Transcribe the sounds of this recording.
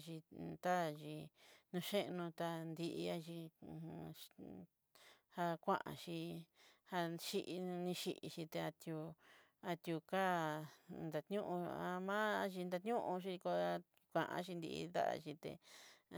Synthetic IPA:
ʒi˧t̪a˦˨ʒi˧nũ˧ʃe˦ʔnũ˧t̪a˧nd̪i˧ʔi˧a˦ʒi˧ | ha˧kʷã̰˦ʔã̰˧ʃi˧ha˧ʃi˧ʔnĩ˧ʃi˧ʔi˧ʃi˧t̪e˧a˧t̪ju˧ | a˧t̪ju˧ka˦ | nd̪a˧t̪ɲũ˦ʔũ˧a˧mã˦a˧ʒi˧nd̪a˧t̪ɲũ˦ʔũ˧ʃ̬i˧ko˧a˧ | kʷã˧ʔã̰˧˦ʃi˧nd̪ḭ˧ḭ˧d̪a̰˦ʔa̰˧ʃi˧t̪ḛ˧

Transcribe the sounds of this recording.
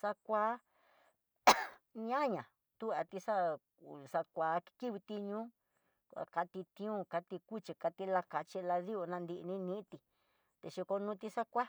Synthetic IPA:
sa˧kʷa˦ | ɲã˦ɲã˨ | t̪u˦a˧t̪i˧sa˦ | sa˧kʷa˨˦ki˦βi˧t̪i˧ɲũ˦˧ | a̰˧ka˧t̪i˧t̪ĩ˧ũ˦˧ka˧t̪i˧ku˦t͡ʃi˧ka˧t̪i˧la˧ka˧t͡ʃi˧la˧ði˦o˧nã˧nd̪i˧ʔnĩ˦nĩ˦t̪i˧ | t̪e˧ʃi˧ko˧nũ˧˦t̪i˧sa˦kʷa˦

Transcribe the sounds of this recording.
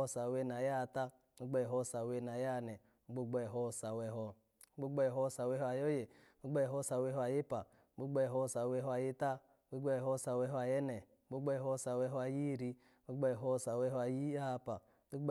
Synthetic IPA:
sa˨we˧n˨a˨ja˦˨ta˦k͡pu˦ɡ͡be˦˨ɦo˦˨sa˨we˦˧˨n˨a˨ja˦˨nɛ˨ | u˦ɡ͡bo˦ɡ͡bɔ˦˨ɦɔ˦˨sa˨we˧ɦɔ˧˦ | ɡ͡bu˦ɡ͡bɔ˦˨ɦo˦˨sa˨we˧˦ɦo˦a˨jo˦je˨˦ | bu˦ɡ͡be˦jɦo˦˨sa˨we˧˦ɦɔ˦a˨ji˦pa˨˦ | ɡ͡bu˦ɡ͡be˦˨ɦo˦˨sa˨we˧˦ɦa˨ji˦ta˦ | ɡ͡bu˦ɡ͡be˦˨ɦo˦˨sa˨we˧ɦɔ˦a˨jɛ˦nɛ˨˦ɡ͡bu˦ɡ͡be˦˨ɦo˦˨sa˨we˧˦ɦo˦a˨ji˦˨ɾi˧˦ | u˦ɡ͡bɔ˦˨ɦo˦˨sa˨we˧ɦɔ˦a˨ji˦a˦˧pa˨˦du˦

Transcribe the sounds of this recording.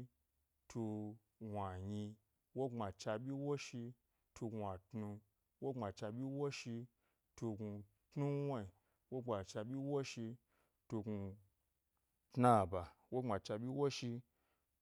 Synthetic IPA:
tu˧ | wʷa˨ɲi˧ | wo˦ŋ͡ma˨t͡ʃa˧bʲi˦wo˦ʃi˧ | tu˧ɡʷa˨tnu˧ | wo˦ŋ͡ma˨t͡ʃa˧bʲi˦wo˦ʃi˧ | tu˧ɡu˧ | tnu˦wʷa˦i˨ | wo˦ŋ͡ma˨t͡ʃa˧bʲi˦wo˦ʃi˧ | tu˧ɡu˧ | tna˦˨ba˨wo˦ŋ͡ma˨t͡ʃa˧bʲi˦wo˦ʃi˧

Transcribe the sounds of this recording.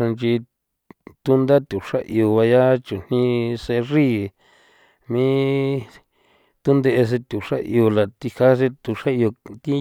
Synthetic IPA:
ã˧nt͡ʃi˧ | t̪u˦nd̪a˦t̪ʲu˨ʂa˦ʔi˧o˧βa˧ja˦t͡ʃu˨n̥nĩ˧se˧ri˦ | mĩ˦ | t̪u˦nd̪e˧ʔe˧s̬e˧t̪ʲu˨ʂa̰˦ʔḭ˧o˧la˨t̪i˧ha˦s̬e˧t̪u˨˧ʂa˦i˧o˧t̪i˦

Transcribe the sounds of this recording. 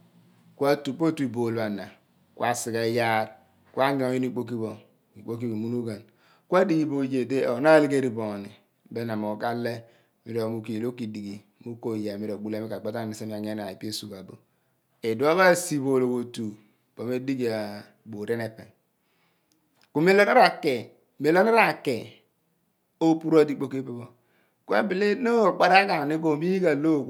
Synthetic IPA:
kwa˦tu˨k͡po˦tu˦i˨bo˨la˨na˨ | kw̰a˦si˨ɡa˨˦ja˦ɾ | kwa˦ɡe˦o˦ji˦n˦i˦k͡po˦k̬i˦bo˨ | i˨k͡po˦k̬i˦bo˨mu˦nu˦ɡa˨n | kʷa˦di˦ɡi˦bo˨je˨de˦o˨˦na˦li˦ɡe˦ɾi˨bo˨ni˨ | be˦na˨mo˨ɡa˦le˦˨ | mi˦ɾo˨mu˦ki˨lo˦ki˨di˨ɡi˨˦mu˦ko˦˨ja˨mi˦ɾo˨ɡ͡bu˦le˦i˦ka˨k͡pa˦ta˦˨ni˨se˦mi˦a˨ɲ˦e˦na˨i˨pi˦e˦su˨ba˨bo˨ | e˨du˨˦a˦βa˦˨si˨βo˨lo˨wo˨tu˨ | b̥o˨me˦di˦ɡi˨a˨ | bo˨ɾe˦ne˨pe˨n | ku˨me˦lo˦na˦ɾa˨ke˨ | me˨lo˦na˦ɾa˨ke˨ | o˦pu˦ɾa˦di˦k͡po˦ke˦pe˦bo˨ | ku˦a̰˨bi˨le˦no˦˨k͡pa˨ɾa˦ɡa˨ni˦ɡo˨˦mi˦ɡa˨lo˦˨

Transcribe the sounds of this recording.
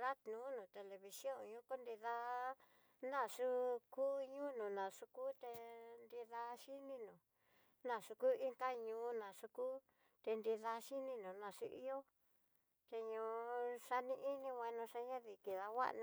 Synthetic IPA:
ɾa˦t̪nũː˨˦nũ˨t̪e˨le˧βi˧sjo˦˨ɲũ˦ko˦nd̪i˧ða˧ | nã˦˨ʂu˦ku˦ɲũ˦nũ˨nã˨ʂu˧kuː˦t̪e˧nd̪i˧ða˧ʃi˦nĩ˦nũ˨ | nã˧˨ʂu˧ku˦i˦ŋka˦ɲũː˧nã˨ʂu˧kuː˦ | t̪e˧nd̪i˧ða˧ʃi˦nĩ˦nũ˨nã˨ʂu˦ʔḭ˦jo˦ | t̪e˧ɲũː˧ʂa˧nĩ˧ʔi˦nĩ˦wã˧nũ˧ʂa˧ɲã˦ði˨ki˨ða˧wa̰˦ʔñ˧

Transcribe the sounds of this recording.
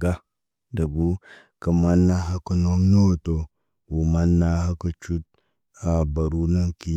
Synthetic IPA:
ɡa˦ | dɐ˨bu˦ | kə˨ma˦nːa˦ɦa˦kə˨no˦ŋno˦˨to˨ | wu˨ma˦nːa˦ha˦kɐ˨t͡ʃu˦t̚ | a˨ba˨ɾu˦na˦ŋki˦

